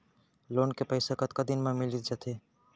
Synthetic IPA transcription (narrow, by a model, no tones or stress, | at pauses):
loːnkepəɪsakət̪kəd̪inmẽmɪlit̪̚ʰd͡ʒat̪ʰeː